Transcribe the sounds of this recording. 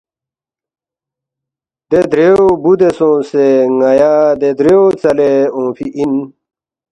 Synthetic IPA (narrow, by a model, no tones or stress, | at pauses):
d̪ed̪ɾeobud̪esõːseŋɐjaːd̪ed̪ɾeot͡sɐleõːpiʔin